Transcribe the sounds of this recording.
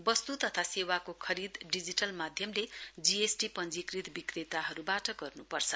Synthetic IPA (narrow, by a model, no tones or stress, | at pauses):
bʌst̪ut̪ʌt̪ʰasewakokʰʌɾid̪ɖid͡ziʈʌlmad̪ʱjʌmled͡ziesʈipʌnd͡zikrit̪bikret̪aɦʌɾubaʈʌɡʌrnupʌrt͡sʰʌ